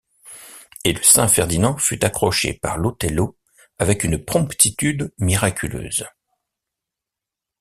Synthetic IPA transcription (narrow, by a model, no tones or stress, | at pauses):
eləsɛ̃fɛʁd̪inɑ̃fyt̪akχɔʃḛpa̰ʁlot̪ɛlo | avɛkynpχɔ̃pt̪it̪yd̪miʁakʲʰylø̰ːz